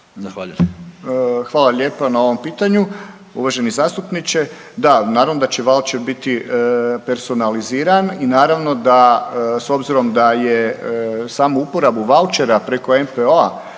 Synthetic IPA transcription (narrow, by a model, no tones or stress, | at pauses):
zaxaʎu | xʋaːlaʎe̞ːpanao̞ʋo̞mpiːt̪aɲu | ṵʋaʒe̞nizaːst̪upnit͡ɕe̞ | d̪anaːɾaʋno̞d̪at͡ɕe̞ʋalt͡ʃe̞ɾbit̪ipe̞ɾso̞naliziːɾaninaːɾaʋno̞d̪aso̞bziɾo̞md̪aje̞ | saːmuupoɾabuʋalt͡ʃeɾapɾe̞ko̞e̞mpeoa̰